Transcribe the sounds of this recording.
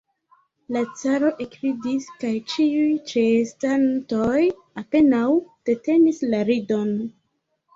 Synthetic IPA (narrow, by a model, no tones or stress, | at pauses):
lat͡saɾo̞ʔekɾidiskajt͡ʃiujt͡ʃe̞stanto̞j | ape̞nawd̥e̞te̞nislaɾido̞n